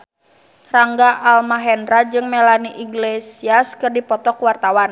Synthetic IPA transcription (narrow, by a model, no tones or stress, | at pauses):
raŋɡaʔalmaɦɛnɾad͡ʒɨŋmɛlaniʔiɡlesiaskɨrdipɔt̪ɔkuwart̪awan